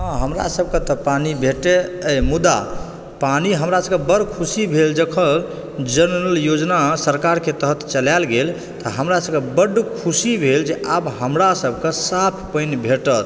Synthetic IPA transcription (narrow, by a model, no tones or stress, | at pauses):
ɦə̃ɦəmɾa̰səb̚ʱkə̃t̪ɔpanibʱeʈeəmud̪a̰ | paniɦəmɾasəbkebəɖkʰusibʱeld͡ʒəkʰə̃ | d͡ʒənɾəljod͡ʒnasəɾkaɾket̪əɦət̪t͡ʃəlalɡel | t̪ɔɦəmɾasəb̚kebəɖkʰusibʱeld͡ʒeʔabɦəmɾasəbʱkə̃sapʰpəɪnbʱeʈət̪